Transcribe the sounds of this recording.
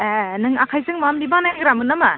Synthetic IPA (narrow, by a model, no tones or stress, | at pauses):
nɯŋakʰajzɯŋmamlibaŋnajɡɾamɯnɐma